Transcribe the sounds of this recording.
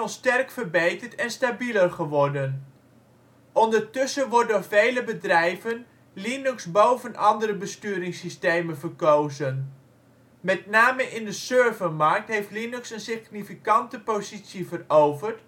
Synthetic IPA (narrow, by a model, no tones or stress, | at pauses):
ɔnstɛrkfərbejtəɹtɛnstabilərχəʋɔɹdən | ʔɔndəɹtʏsəʋɔtdʊːɹvejləbədrɛjvən | linʉksbowvənʔɑndəɾəbəstyːɾɪŋsistejmənvərkowzən | mɛtnaːməʔɪndəsøːɹvəmɑɹk̚tɦejftlinʉksənsɪχnifikɑntəpowzitsjəvərowvərt